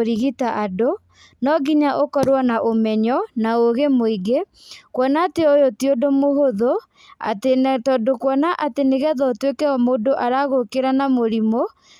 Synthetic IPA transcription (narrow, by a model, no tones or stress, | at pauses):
ɾiɣitaʔado | nɔɡiɲaʔokɔɾwanaʔomɛɲɔnaoɣemoiɡe | kwɔnateojotiodomohoðo | a̰tetɔdokwɔnaʔateneɣɛðɔtwekɛɔmoːdoʔaɾaɣokeɾanamoɾimo